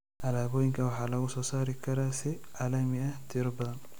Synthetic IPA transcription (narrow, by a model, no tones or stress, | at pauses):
ʔɐlaːboːjɪŋkɐwɐħaːlɐɡʊsɔːsaːɾɪkɐɾasɛʔalɐmɪɐt̪ʰɪɾbɐn